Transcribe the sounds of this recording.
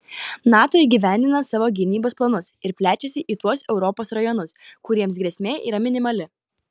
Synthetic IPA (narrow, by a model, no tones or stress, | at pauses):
nɑːt̪oːɪɡʲiːʋʲæˑnʲd̪ʲɪnɐsɑːʋoːɡʲɪnʲiːboːsplˠɐnʊsɪɾpʲlʲæːt͡ʃʲɛsʲɪʔiːt̪uɔsɛʊɾɔpoːsɾɐjɔnʊskʊɾʲiɛmsɡɾʲiɛsʲmʲeːʔḭːɾɐmʲɪnʲɪmɐlʲɪ